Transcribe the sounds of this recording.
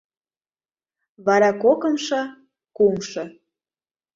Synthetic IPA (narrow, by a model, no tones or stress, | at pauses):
βɑɾɑkokə̆mʃɤ̆ | kumʃɤ̆